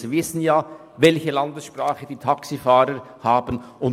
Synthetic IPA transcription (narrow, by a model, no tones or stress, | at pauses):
ivɪsn̩jaː | vɛlçəlɑndəsʃpraːχəd̥iːtʰɑksifaːɾəɾ | haːbən̩ʊn